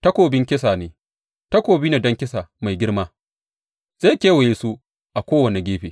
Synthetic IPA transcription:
tɐ˦kʷoː˨bɪ˦ŋkʲɪ˦saː˨neː˨ | tɐ˦kʷoː˨biː˦neː˨dɐ˦ŋkʲɪ˦sa˨ma˨jɡʲɪ˦ɽmaː˦ | z̥e˦kʲeː˦wɐ˨je˨su˦ | ʔa˨kʷoː˦wɐ˨ne˨ɡʲeː˦ɸeː˨

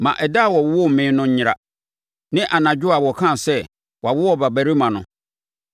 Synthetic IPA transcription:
mã̰˨ʔɛ˨da˦˨wɔ˨wwɔ˦˨m̩˨mɪ̃ː˨˦nʊ̃˦ɲ̩˦ɲɪ˨ɾa̰˨ | nɪ̃˦ʔa˨nã˨d͡ʑᶣʊ˦a˨wɔ˨kʰã˦˨sɛ˦ | wa˨wʊ˦wɔ˦ba˨bæ˨ɾi˦mã˨nʊ̰̃˨

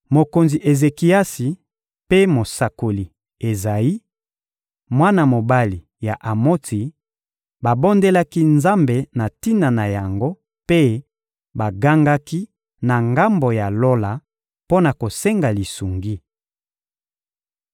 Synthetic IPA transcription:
mo˨ko˨nzi˨ʔe˨ze˨ki˨a˦si˨ | pe˦mo˨sa˨ko˨li˨ | e˨za˨ji˦ | mwa˦na˨mo˨ba˦li˨ | ja˨ʔa˨mo˦ti˨ | ba˨bo˦nde˦la˦ki˦nza˦mbe˨na˨ti˦na˨na˨ja˨ŋɡo˦ | pe˦ | ba˨ɡa˦ŋɡa˦ki˦ | na˨ŋɡa˦mbo˨ja˨lo˦la˨ | po˦na˨ko˨se˦ŋɡa˨li˨su˨ŋɡi˦

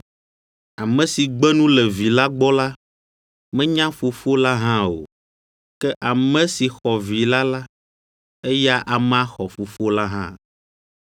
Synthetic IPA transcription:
a˨mɛ̃˨si˨ɡ͡bɛ˦nũ˦lɛ˨vi˨la˦ɡ͡bɔ˦la˦ | mɛ̃˦ɲã˦fo˨fo˦la˦ɦã˦o̰˨ | kɛ˦ʔa˨mɛ̃˦si˨xɔ˨vi˨la˦la˦ | e˦ja˦ʔa˨m˦a˦xɔ˨fo˨fo˦la˦ɦã̰˦

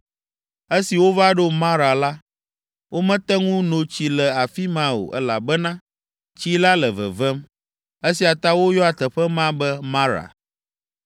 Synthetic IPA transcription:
e˦si˨wo˦va˦ɖo˦mã˦ɾa˨la˦ | wo˦mɛ̃˦t̪ɛ˦ŋũ˦nõ˨t͡ɕi˦lɛ˨a˨fi˦mã˦wo̰˨ʔɛ˦la̰˨bɛ˦nã˦ | t͡ɕi˦la˦lə˨və̰˨vɛ˦m | e˦si˨a˨t̪a˦wo˦jɔ˦a˨t̪ɛ˨ɸɛ˦mã˦bɛ˦mã˦ɾa̰˨

